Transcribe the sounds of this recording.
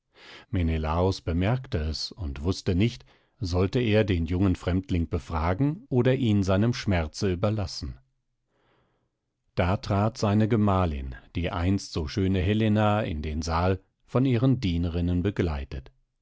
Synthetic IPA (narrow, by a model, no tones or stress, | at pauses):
menelaːʊsb̥əmɛɐktəɛsʊntv̥ʊstənɪçt | zɔltəeːɐdeːnjʊŋənfʁ̥ɛmtlɪŋb̥əfʁ̥aːɡŋ̩ʔoːdɐʔiːnzaɪnəmʃmɛɐt͡səyːbɐlasn̩ | d̥aːtʁ̥aːtz̥aɪnəɡəmaːlɪ̰nd̥iːʔa̰ɪnstz̥oːʃøːnəɦɛlenaɪ̰ndeːnzaːl | fɔniːʁəndiːnəʁɪnənbəɡlaɪtət